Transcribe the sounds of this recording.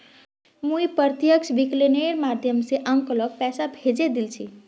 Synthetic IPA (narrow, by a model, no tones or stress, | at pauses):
muipəɾt̪jəkt͡ʃʰbikleneɾmad̪ʱjəmseʔəŋkəlɔk̚pɛsabʱed͡ʒed̪ilt͡ʃʰi